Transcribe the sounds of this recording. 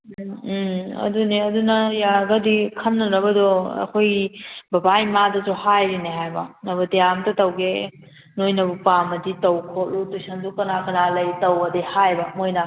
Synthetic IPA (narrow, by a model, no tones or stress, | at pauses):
ɐ̰duniɐdunɐjaɡɐdikʰɐmnɐɾɐbɐdɔɐ̰kʰojbɐbajmadɐtɔhajɾineɦajbɐnɐbɐtejamtɐtɐwɡe | nojnɐbupamɐditɐwkʰolutusɐndukɐnakɐnalɐjtɐwɐdehajbɐmojna